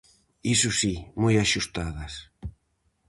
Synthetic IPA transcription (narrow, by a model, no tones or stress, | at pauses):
isʊsimojaʃust̪aðɐs